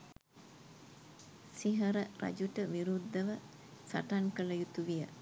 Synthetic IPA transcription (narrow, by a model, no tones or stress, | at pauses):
siɦɐɾəɾɐ̰d͡ʒuʈəʋiɾud̪ːɐʋə | saʈaŋkəlɐjut̪uʋijə